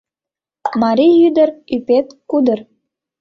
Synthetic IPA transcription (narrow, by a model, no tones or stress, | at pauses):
mɑɾʲijyd̪ə̆rypet̪kud̪ə̆r